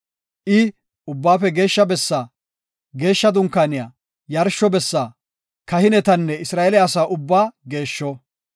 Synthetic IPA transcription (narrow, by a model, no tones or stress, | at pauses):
ʔɪ | ʊbːaːfɛɡe̞ːʃːɐbɛsːaː | ɡe̞ːʃːɐd̪ʊŋkːaːnɪjaː | jɐɾʃːɔbɛsːaː | kɐhɪnɛt̪ɐnːɛɪsɾaːʔɛlɪasaːʔʊbːaːɡe̞ːʃːɔ